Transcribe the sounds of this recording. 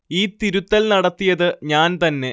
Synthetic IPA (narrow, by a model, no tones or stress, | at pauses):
iːt̪iɾut̪ːɐlnɐɽɐt̪ːijɐðɨɲaːnt̪ɐnːe̞